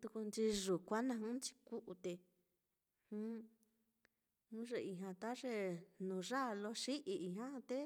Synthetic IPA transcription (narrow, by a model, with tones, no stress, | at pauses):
t̪u˧ku˧nt͡ʃi˧ʐu˨kʷa˦nã˧ɦũ˦nt͡ʃi̥˧ku˦ʔu˧t̪e˧ | hũ˦ | nũ˦ʐe˧i˧˨ɦã˧t̪a˦ʐe˧nũ˨ʐa˦˧lo˧˦ʂi˦ʔi˧i˧˨ɦã˦˧t̪e˦